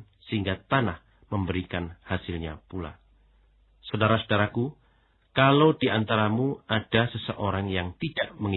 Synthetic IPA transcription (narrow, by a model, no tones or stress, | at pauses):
səɦiŋɡat̪anah | məmbəɾikanhasɪlɲa̰pula̰ | saodaɾasodaɾaku | kalodiant̪aɾamuad̥asəsəʔoɾaŋjaŋt̪idaʔməŋi